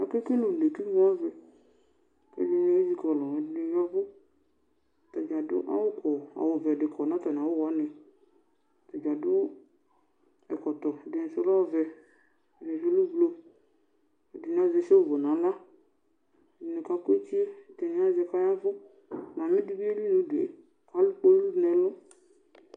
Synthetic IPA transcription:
a˨ke˦ke˦lo˨le˨ki˦vɔ˦a˦vɛ˨ | kɛ̰˨˦di˦n˦e˦zi˦kɔ˨lɔ˨ɛ˨dɪ˦ne˨ja˦vʊ˦˨ | ta˨d͡ʒa˨dʊ̰˦ʔa̰˦wʊ˦kʰɔ˨a̰˨wʊ˨vɛ˨dɪ˨kʰɔ˨nã˦tɔ˨n˨a˨wʊ˦wɔ˨˦nɪ˨ | ta˨d͡ʒa˨dʊ˦ | ɛ̰˨kɔ˨tɔ˨dɪ˨n̩˨sʊ˦la˦wvɛ˨ | ne˨d͡ʒo˦lu˦vlo˦˨ | di˨n˨a˦ze˨se˦o˦˨vo˨nã˨˦la˦˨ | nẽ˨ka˦kʊ˦e˦t͡ʃi˦e˦˨t̪ɛ˨ne˦a˦zɛ˧ka˦ja˦vʊ˦ | mã˨mẽ˦di˦bi˦e˦li˦nũ˨dḛ˨ | ka˦lu˦k͡po˦lu˦nɛ˨lɔ˦

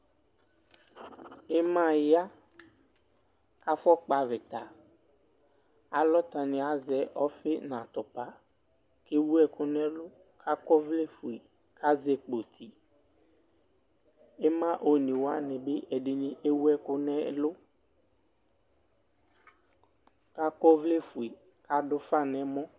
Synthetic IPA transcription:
e˦mã˦˨ja˦ | ka˦fɔ˦k͡pa˨ve˨t̪a˨ | a˨lɔ˦t̪a˨nĩ˨a˨zɛ˨ʔɔ˦fe˦nã˨t̪ɔ˨pa˦ke˦wu˦ɛ˦˨ko˦nɛ̃˦lo˦kʰa˦kɔ˦vle˦fu˨i˨ka˦zɛ˨k͡po˨t̪ʰi˦ | e˦mã˦ʔo˨nĩ˨wo˦a˦nɛ̃˨be˦ʔɛ˨ɖe˨nĩ˦ʔe˦wu˦ɛ˦kʊ˦nɛ˦lʊ˦ | ka˦kɔ˦vle˦fu˨i˨ka˦dʊ˦fa˦nɛ̃˨mɔ̃˦

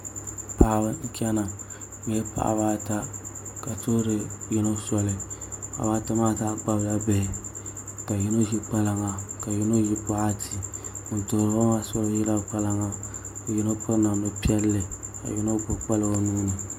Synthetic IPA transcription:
pa˦˨bɨ˦ŋ̩˦kʲɛ˦na˨˦ | ɛ˦pa̰˨ʔa̰˨βaː˦ta˦ka˨to˦ɾe˦ji˦no˦sɔ˦lɪ˨a̰˨baː˦ta˦maː˦˨ta˦˨ɡ͡ba˦bja˦be˨ka˨ji˦no˦ʒi˦k͡pa˦la˨ŋa˨ka˨ji˦no˦ji˦pʊ˦a˦tʰi˨mʊ˨n˨to˨ɾbo˦ŋa˦sɔ˦lo˦ji˦la˦˨k͡pa˦la˦ŋa˨ji˦no˦pʰʊ˦ɾna˨mbɛ˨pi˦ɛ˦lːɨ˨ka̰˨ji˦no˦bʊ˦k͡pa˦lɨ˦wo˦nu˦nɨ˨

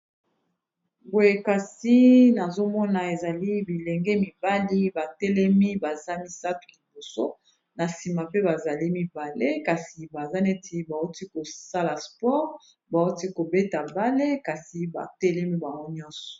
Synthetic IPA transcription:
bo˨je˨ka˨si˦na˨zo˦mɔ˦na˨e˨za˨li˦bi˨lɛ˨ŋɡɛ˦mi˨ba˦li˦ba˨tɛ˦lɛ˦mi˦ba˨za˦mi˦sa˦tu̥˨li˨bo˨so˦ | na˨si˨ma˨pe˦ba˨za˨li˦mi˨ba˨le˦ka˨si˨ba˨za˦ne˦ti˨ba˨u˦ti˦ko˨sa˦la˨spɔ˦ʁ | ba˨u˦ti˦ko˨be˦ta˨ba˦le˦ka˨si˨ba̰˨tɛ˦lɛ˦mi˦ba˨ŋɡo˦ɲɔ̃˦sɔ̥˨

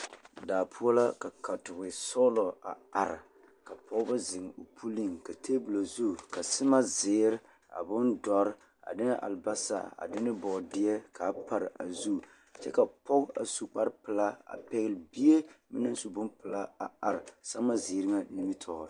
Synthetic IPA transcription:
daː˨pʰu˦ɔ˦la˦ka˨ka˨tʊ˨bɪ˨sɔ˦lɔ˨a̰˨a˨ɾɪ˨ | ka˨pʰɔ˦ɡba˦zɪ˨ŋ˨o˨pʰu˦li˦˨ŋka˨tʰe˦bu˨la˨zu˦˨ka˨sɪ˦ma˦zɪː˨˦ɾɪ˦ | a̰˨bʊ˦ndɔ˦ɾ | a̰˨dɪ˦nɪ˦ʔa̰˨lba˦sa̰˨a̰˨dɪ˦nɪ˦bɔ˨dɪ˦ɛ˦ka˨˦pa˨ɾɪ̰˨a̰˨zu˦˨ | t͡ʃɛ̰˦ka˨pɔ˦ɡa̰˨su˨k͡pa˦ɾpɨ˨la˦a̰˨pɛ˦ɣɪ˦lɪ˨bi˦e˦mɪ˦na˦n˦su˨bʊ˦npɨ˨la˦a˨a˨ɾɪ˨sa˦ma˦zɪ˨˦ɾɪ˦ŋa˦ni˦mi˦tʰɔ˨ɔ˨

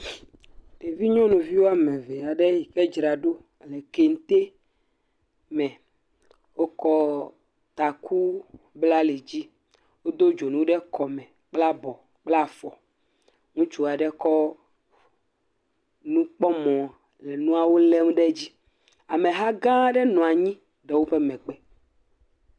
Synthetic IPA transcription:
ɖe˨vi˦ɲɔ̃˦nũ˨vi˦wo˦a˨mɛ̃˨vɛ˨a˨ɖɛ˦ji˨kɛ˦d͡ʒɾa˨ɖo˦˨ | lɛ˨ke˨ŋ̩˦t̪e˦ | mɛ̃˨ | wo˦kɔ˦ | t̪a˨ku˦ | bla˦le˨d͡ʑi˦ | wo˦d̪o˦d͡ʒo˨nũ˦ɖɛ˦kɔ˨mɛ̃˨ | k͡pla˦bɔ˨ | k͡pla˦˨fɔ˨ | ŋũ˦t͡ʃu˦a˨ɖɛ˦kɔ˦ | nũ˦k͡pɔ˦mɔ̃˨ | lɛ˨nũ˦a˨wo˦lɛ˦ŋũ˦ɖɛ˦d͡ʑi˦ | a˨mẽ˨ɦa˦ɡã˦ɖɛ˦nɔ̃˨a˨ɲĩ˦ | ɖɛ˨˦wo˦ɸe˦mɛ̃˨k͡pɛ˦

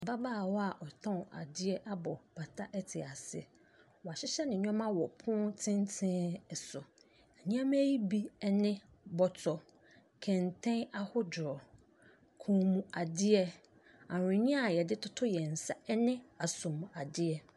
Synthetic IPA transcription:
ba˦baː˦˨wɔ˦a˨ʔɔ˨tʰɔ̃˦˨a̰˨dɪ˦ɛ˦ʔa˦bɔ˨b̥a˨tʰa˦ʔɛ˦tʰɪ˨a˨sɪ̰˦ | wɔ˨a˨ɕɪ˦ɕɛ˦nɪ̃˨ɲᶣ˦ɔ̃˦mã˦wɔ˨pʰʊ̃˦tʰɪ̃˦ntʰɪ̃˦ɛ˨sʊ˨ | ɛ˨ɲĩ˦ã˦m˦ji˦bi˦ɛ˦nɪ̃˦ | bɔ˨tʰɔ˨ | kʰɛ̃˨ntʰɛ̃˦a˦hʊ˦dʊ˨ɾɔ˨ | kʰũ˨mũ˨a˨dɪ˦ɛ˦ | ã˨ɾʊ̃˨ɲĩ˦a˨jɛ˨dɪ˦tʰʊ˦tʰʊ˦jɛ˨n̩˨sa˦nɪ̃˦a˨sʊ̃˨m˨a˨dɪ˦ɛ˦

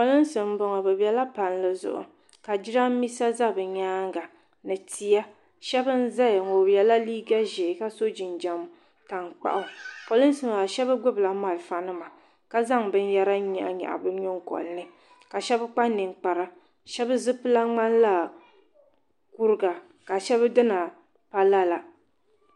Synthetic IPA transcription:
po˨lɨ˦n˦sɨ˨m̩˦bɔ˨ŋa˨bɛ˨bɛ˨la˦pa˨nlɨ˦zʊ̰˨ʔʊ̰˨ | ka˨d͡ʒi˦ɾa˦mi˦sa˦za˦bɨ˨ɲaː˦ŋɡa˨ | nɨ˨ti˨ja˦ | ʃɛ˦bɨ˦n̩˦za˦˨ŋo˨bɛ˨la˦liː˦ɡa˦ʒe˨ka˦so˦d͡ʒi˨nd͡ʒa˨m˦ | ta˨ŋk͡pa̰˨ʔʊ˦po˨lʊ˦n˦sɨ˨m˨ba˨ʃɛ˦bɨ˦ɡ͡bʊ˦bla˨ma˨lfa˨nɨ˦ma˨ | ka˦za˦ŋbɨ˦n˦ja˦ɾa˦ɲɛ˨ʔa̰˨ɲa̰˨ʔa̰˨bɨ˦ɲo˦ŋkɔ̰˨lnɨ˦ | ka˨ʃɛ˦bɨ˦k͡pa˦nːɨ˨ŋ˨k͡pa˨ɾa˦ | ʃɛ˦bɨ˦zɨ˦pɨ˦la˦ŋ͡ma˦n˦la˦˨ | ku˦ɾɨ˦ɡa˨ | ka˨ʃɛ˦βɨ˦dɨ˦na˨ | pa˦la˦la˨

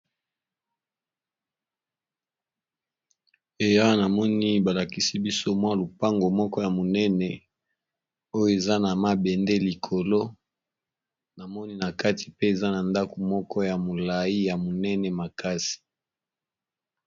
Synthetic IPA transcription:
e˨ja˦na˨mɔ˦ni˦ba˨la˨ki˦si˦bi˦so˦mwa˦lu˨pa˦ŋɡo˨mɔ˦kɔ˦ja˨mo˨nɛ˦nɛ˨ | o˦jo˦e˨za˦na˨ma˦bɛ˨nde˦li˨kʰo˨lo˦ | na˨mɔ˦ni˦na˨ka˦ti̥˨pe˦e˨za˦na˨nda˦ko˨mɔ˦kɔ˦ja˨mo˨la˨i˦ja˨mo˨nɛ˦nɛ˨ma˨ka˦si̥˨

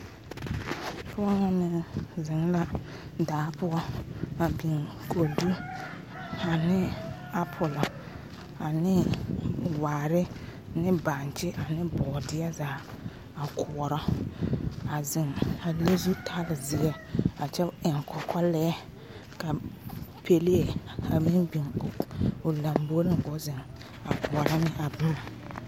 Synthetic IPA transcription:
pʰʊ˦ɔ˦ŋa˦nɪ˨zɪ˨ŋ˦la˦ | daː˨˦pʊ˦ɡɔ˦a˨bi˨ŋ | kʰo˨du˦ | a˨nɪ˦ | a˦pʰʊ˨lɔ˨ | a˨nɪ˦ | waː˨ɾɪ˦ | nɪ˦ba˨n˨t͡ʃɪ˦ʔa˨nɪ˦bɔː˨dɪ˦ɛ˦zaː˨˦ | a˨kʰʊ˨ɔ˨ɾɔ˦ | a˨zɪ˨ŋa˨le˦zu˦tʰa˦lɪ˨zɪ˨˦ɛ˦ | a˨t͡ʃɛ˦ʔɪ˨ŋkʰɔ˨kʰɔ˦lɛ˦ | ka˨pʰe˨le˦e˨a˨mi˦nbi˨ŋʊ˨ʊ˨lã˨mbo˦lɪ˦ŋ˦ɡɔ˦zɪ˨ŋ | a̰˨kʊ˨ɔ˨ɾɔ˦nɪ˦ʔa˨bu˦˨

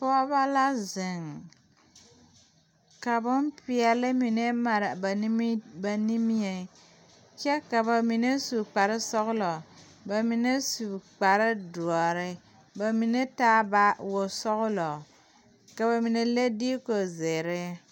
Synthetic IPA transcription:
pɔ˦ba˦la˦zɪ˨ŋ | ka˨bʊ˦npɪ˦ɛ˨lɪ˦mi˨ne˦ma˨ɾa˨ba˨˦m˦ba˨ni˦mi˦e˨ | t͡ʃɛ˦ka˨ba˨mi˨ne˦su˨k͡pa˨ɾɪ˦sɔ˦ɣʊ˦lɔ˨ | ba˨mi˨ne˦su˨k͡pa˨ɾɪ˦du˨ɔ˨ɾɪ˦ | ba˨mi˨ne˦taː˦ba˨wʊ˨sɔ˦ɣʊ˦lɔ˨ | ka˨ba˨mi˨ne˦le˦diː˦ko˨zɪ˨ɾɪ˦

